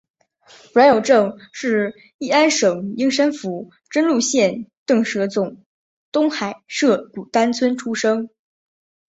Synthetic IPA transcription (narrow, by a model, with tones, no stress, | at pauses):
ɻə˧˥njo˨˩ʊʈ͡ʂɤ˥˩ŋʂɻ̩˥˧ | i˥˩a˥nʂɤ˨˩ŋi˥ŋʂa˥nfu˧˥ | ʈ͡ʂə˥nlu˥˧ɕjɛ˥˧nt̪ɤ˥˩ŋʂɤ˧˥t͡sʊ˨˩˦ŋ | t̪ʊ˥ŋxa˨˩ɪʂɤ˥˩ku˨˩t̪a˥nt͡sʰwə˥nʈ͡ʂʰu˥ʂɤ˥ŋ